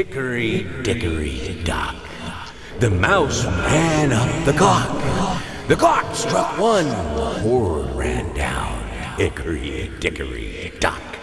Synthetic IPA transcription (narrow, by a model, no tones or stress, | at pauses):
ɪkə˞id̥ɪkə˞ḭd̥ɑ̰k | ðɨmaʊsɹæ̃nʌp̚ðɨɡɑk | ðɨɡɑkstɹ̥ʌkwʌ̃nhɔɹɹæ̰̃ndã̰ʊ̃nɪkə˞ḭd̥ɪkə̰˞ḭd̥ɑ̰k